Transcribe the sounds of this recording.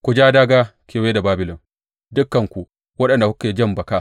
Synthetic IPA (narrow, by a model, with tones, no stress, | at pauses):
kʷu˨d͡ʒaː˦daː˦ɡaː˦kʲeː˨weː˦da˨baː˦bɪ˨lɔ˨m | dʊ˦kːɐ˨ŋkʷu˨ | wɐ˦ɗɐ˨nda˨hʊ˦kːe˨d͡ʒɐ˦mbɐ˨ka˦˨